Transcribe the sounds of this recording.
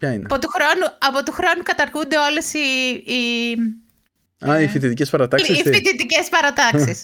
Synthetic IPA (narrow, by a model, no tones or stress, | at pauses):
pçɐineɐ̰po̞t̪uxɾo̞nuɐpo̞t̪uxɾo̞nukɐt̪ɐɾɣund̪e̞o̞le̞siː | ɐifit̪it̪icespɐɾɐt̪ɐksisifit̪it̪ice̞spɐɾɐt̪ɐksis